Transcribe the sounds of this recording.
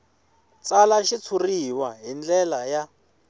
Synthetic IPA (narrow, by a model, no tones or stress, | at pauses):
t͡salaʃit͡sʰuriwaɦind͡ɮɛlaja